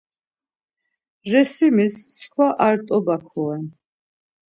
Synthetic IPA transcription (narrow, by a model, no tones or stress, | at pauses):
ɾɛsimisskʰwaʔaɾt̪ʼɔbakʰɔɛn